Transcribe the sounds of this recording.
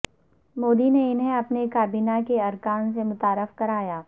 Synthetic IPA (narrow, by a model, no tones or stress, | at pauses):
moːd̪ineɪnɦẽɐpnekaːbiːnakeɐɾkaːnsemʊt̪aːɾɪfkɐɾaːjaː